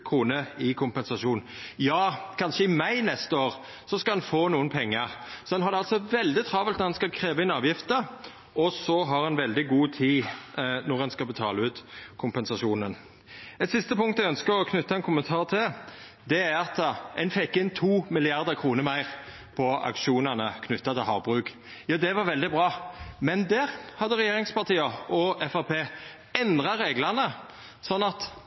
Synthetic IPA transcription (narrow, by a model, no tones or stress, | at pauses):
kʰʁuːnəɪkʰʊmpɛnsɑʂuːn | jɑːkʰɑnʃəɪmæɪnɛst̪əoːʁ | sɔskɑd̪ɛnfoːnuːənpʰɛŋːəʁsɔdɛnɦɑɾd̪ɛɑlsɔʋɛld̪ɪt̪ʰʁɑːʋəlt̪nɔɛnskɑlkʰɾeːʋəɪnɑːʋjɪft̪ə | ɔsɔɦɑʁɛnʋɛld̪ɪɡuːt̪ʰiːnɔʁɛnskɑbət̪ʰɑːləʉːt̪kʰʊmpɛnsɑʃuːnən | ɛt̪sɪst̪əpʊŋkt̪æɪœnskəʁɔkʰnʉt̪ːɑɛnkʰʊmənt̪ʰɑːʁt̪ʰɪl | d̪ɛæɾɑt̪ɛnfɛkːɪnt̪ʰuːmɪlɪɑʁd̪əkʰɾuːnəɾmæɪʁ | pʰɔɑ̰kʃuːnɑnəkʰnʏt̪ːɑt̪ʰɪlɦɑːʁbʁʉːk | jɑːd̪ɛʋɑɾʋɛld̪ɪbʁɑːmɛnd̪æʁhɑd̪əʁɛjeːɾɪŋspɑt̪iːəɔɛfɑpʰeː | ɛnd̪ʁɑɾeːɡlɑnə | sɔnːɑt̪